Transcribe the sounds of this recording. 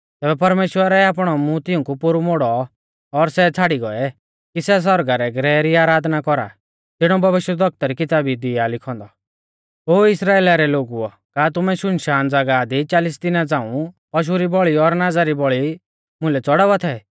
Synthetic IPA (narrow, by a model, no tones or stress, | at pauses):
t̪ɛːbɛpɐɾmeːʃwəɾɛaːp̬ɽ̃ɔmũt̪ɪʊ̃kupʊɾumoɽɔ | ɔɾsɛt͡sʰaɽiɡɔɛ | kisɛs̬ɔɾɡaɾɛɡɾɛːɾiaːɾaːd̪nakɔɾa̰ | t̪ɪɽ̃ɔbʱɐʋɪʃjɛd̪ɔk̚t̪aɾikɪt̪aːbid̪ɪalɪkʰɔ̃ːnd̪ɔ | oːɪsɾaːeːlaɾɛloːɡuɔ | kaːt̪̬ʊmɛʃʊnʃaːnd͡zɐɡad̪it͡ʃaːlɪs̬d̪ɪnad͡zãːũ | pɔʃ̬uɾibɔɭiɔɾnad͡zaɾibɔɭi | mʊ̃lɛt͡sɔɽaʋat̪ʰɛ